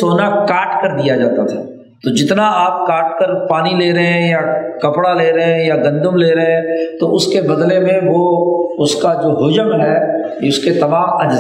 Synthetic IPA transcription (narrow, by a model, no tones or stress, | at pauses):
oːnakaːʈkəɾd̪ijad͡ʒaːt̪at̪ʰaː | t̪oːd͡ʒɪt̪naaːp̚kaːʈ̚kəɾpaːnileːɾəɦɛ̃jakɐpɽaleːɾəɦɛ̃jaɡɐ̃nd̪əmleːɾəɦɛ̃t̪oʔʊskebɐd̪lemẽʋoʊskad͡ʒoːɦʊd͡ʒəmɦɛː | jʊsket̪ɐmaːmɐd͡ʒz